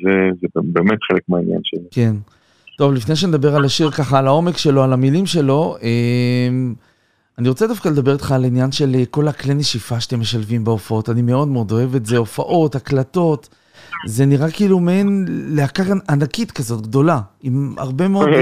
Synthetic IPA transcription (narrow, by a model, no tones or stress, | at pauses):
zezebebemet̪χelekmeainja̰nʃezeke̞n | to̞vlifnejʃ̬ened̪abe̞ʁalaʃiʁkaχaːlao̞me̞kʃe̞lo̞alamilimʃe̞lo̞ʔem | aniʁo̞t͡sed̪afkale̞d̪abe̞ʁit̪χaːlinjanʃe̞leko̞lakleneʃifaʃḁt̪e̞mːe̞ʃalvimbeofao̞tanime̞o̞d̪meo̞d̪o̞e̞vetze̞o̞faʔo̞taklato̞t | ze̞niʁakiːlumenleakaʁanakit̪kazo̞tɡd̪o̞laima̰ʁbe̞meo